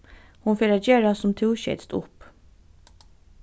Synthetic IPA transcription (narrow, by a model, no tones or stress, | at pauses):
hʊnfeːɾad͡ʒeːɹasʊmt̪ʰuːɕɛ̰t̪st̪ʊ̰p